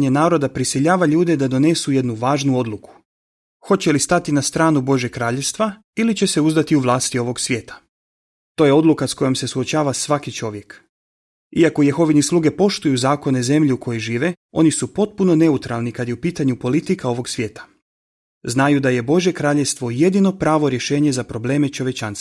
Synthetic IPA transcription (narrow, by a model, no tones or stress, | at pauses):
ɲe̞naːɾo̞d̪apɾisiʎaːʋaʎuːd̪e̞d̪ad̪o̞ne̞suje̞d̪nuʋaːʒnuo̞d̪lˠuku̥ | xo̞t͡ɕe̞list̪at̪inast̪ɾaːnubo̞ʒjekɾaːʎest̪ʋa | ilit͡ɕe̞se̞uzd̪at̪iuʋlˠaːst̪io̞ʋo̞ɡsʋʲje̞ːt̪ḁ | t̪o̞ːje̞o̞d̪lukasko̞je̞mse̞suo̞t͡ɕaːʋasʋakit͡ʃo̞ʋje̞k | iako̞jexo̞ʋinislˠuːɡe̞po̞ʃt̪ujuzaːko̞ne̞ze̞mʎiuko̞jojʒiːʋe̞ | o̞nisupo̞t̪̚puno̞ne̞ut̪ɾalˠnikad̪jeupiːt̪aɲupo̞lit̪ikao̞ʋo̞ɡsʋje̞ːt̪ḁ | znajud̪aje̞bo̞ʒjekɾaːʎest̪ʋo̞je̞d̪ino̞pɾaːʋo̞ɾjeʃe̞ːɲe̞zapɾo̞ble̞ːmet͡ʃo̞ʋje̞t͡ʃans